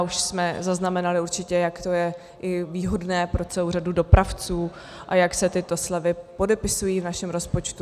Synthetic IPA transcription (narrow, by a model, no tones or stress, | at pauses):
uʃsmɛzaznamɛnalɪuɾt͡ʃɪcɛjakt̪o̞jɛ | ʔɪviːɦo̞dnɛːpɾo̞t͡sɛlowradudo̞pɾʔaft͡suː | ʔajaksɛt̪ɪt̪o̞slɛvɪpo̞dɛpɪsujiːvnaʃɛmɾo̞spo̞t͡ʃt̪u